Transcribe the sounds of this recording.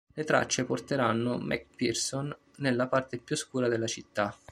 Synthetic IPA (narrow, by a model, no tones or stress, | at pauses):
let̪ɾa̰t͡ʃːeport̪eɾanːomɛ̰k̚pirsonː | elːapart̪epjuskuːɾad̪elːat͡ʃit̪ːa